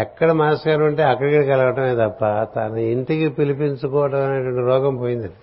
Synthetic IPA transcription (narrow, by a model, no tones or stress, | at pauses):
ɛkːɐɽɐmaːskaːɾɐʋɐɳʈeːɐkːɐɽɐkiɽikɐlɐʋɐʈɐmeːt̪ɐpːɐt̪ɐ̰nɐiɳʈikipilipiɲt͡ʃukɔːʋɐʈɐmɐneʈʋɐɳʈiɾɔːɡɐmpoːjind̪ɐni